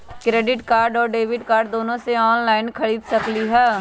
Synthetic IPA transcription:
kɾeːɖɪʈkaːɾɖɔːɾɖeːʋɪɖkaːɾɖd̪oːnõseɔːnlaːɪnkʰəɽiːd̪sɐkliɦɛː

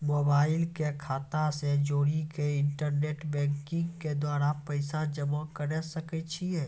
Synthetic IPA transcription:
moːbaːɪlkekʰaːt̪ased͡ʒoːɾikeɪɳʈəɾneːʈbɛ̃ːŋkɪ̃ŋɡked̪waːɾapəɪsad͡ʒəməkəɾɛsəkɛt͡ʃʰiɛː

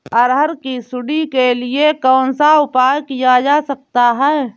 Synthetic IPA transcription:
ɐɾɦəɾkisʊɽikeliekɔːnsaʊpaːkijad͡ʒaːsɐk̚t̪aɦɛː

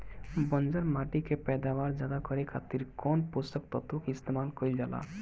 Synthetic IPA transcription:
bɔnd͡ʒəɾmaʈikepɛd̪abaɾd͡ʒjad̪akɔɾekʰat̪iɾkɔnpost̪ɔk̚t̪ɔt̪ukist̪emalkɔild͡ʒala̰

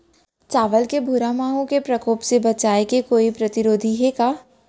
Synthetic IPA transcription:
t͡ʃaːʋəlkebʱuɾamaːɦõkepɾɐkoːpsebɐt͡ʃaːekekoːipɾɐt̪ɪɾoːd̪ʱiɦekaː

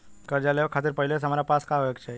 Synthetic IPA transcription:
kəɾd͡ʒaləokʰat̪̬iɾpəɦilesʰəmaɾapaskaʋekt͡ʃʰe

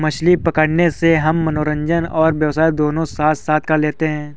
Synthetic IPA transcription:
mɐʃlipɐkəɽneseɦɐmːɐnoːɾə̃ɲd͡ʒənɔːɾʋjɐwsaːid̪oːnõsaːt̪saːt̪̚kaleːt̪eɦɛ̃ː

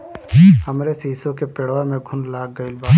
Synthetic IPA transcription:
həmɾesisõkepeɽʋamẽɡʱʊnlaːɡɡəilbaː

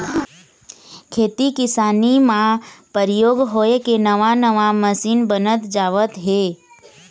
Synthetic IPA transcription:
kʰeːt̪ikɪsaːnimãpəɾɪjoːɡɦoːekenəʋanəʋaməsiːnbənət̪d͡ʒaːʋət̪ɦeː

